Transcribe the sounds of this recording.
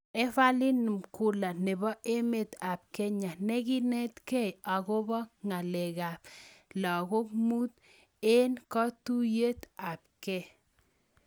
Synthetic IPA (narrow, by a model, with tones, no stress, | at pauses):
e˦fa˦li˦nɨ˨mku˨la˨nɪ˨bɔ˦ʔe˦me˨t̪a˨p̚kɛ˦ɲa˨ne˦ɡi˦nɛ˦t̪kɛ˦ja˨ɣo˦bɔ˦ŋa˨le˨ɣa˨pla˨ɣo˦k̚mu˦t̪̚ | e˦nkɔ˦tu˦je˦t̪a˨p̚kɛ˦˨